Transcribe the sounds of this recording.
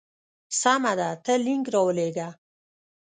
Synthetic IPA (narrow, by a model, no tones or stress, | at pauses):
samad̪at̪ʰəliŋɡɾɔwleɡa